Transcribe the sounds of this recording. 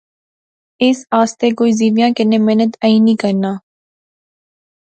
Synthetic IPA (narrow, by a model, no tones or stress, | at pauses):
ɪsaːst̪ekoːiziːʋjãːkɪnẽmeːnət̪əĩːnĩːkəɾnaː